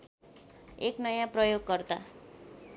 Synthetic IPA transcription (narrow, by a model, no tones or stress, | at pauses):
eknʌjãprʌjoɡːʌrdt̪a̰